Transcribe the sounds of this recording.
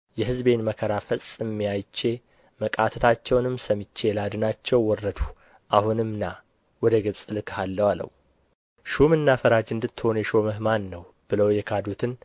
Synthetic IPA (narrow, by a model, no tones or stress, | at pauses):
jɛɦɨzbe̞nməkʰəɾafəsʼɨmːijajt͡ʃːe̞ | məkʼat̪ʰət̪ʰat͡ʃːɛwnɨmːsəmɨt͡ʃːe̞lad̪ɨnat͡ʃːɛwːɔrːəd̪u | ʔahunɨmna | wɔd̪əɡɨβsʼɨlɨkhalːəwalə̰w | ʃumɨnːafəɾad͡ʒɨnd̪ɨt̪ːɨho̞njɛʃo̞məhmanːəw | b̥ɨləwjɛkʰad̪ut̪ʰɨn